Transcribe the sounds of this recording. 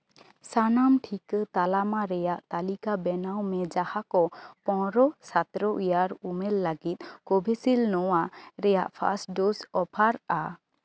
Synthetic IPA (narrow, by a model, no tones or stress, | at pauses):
sanamʈʰikət̪alamaɾɛjaʔt̪alikabɛnawmɛd͡ʒahakɔpɔ̃ɾɔsat̪ɾɔʔijaɾumɛlːaɡit̪̚ˀkɔbʱesilnɔwaɾɛja̰ʔpʰa̰sʈɖosɔpʰaɾa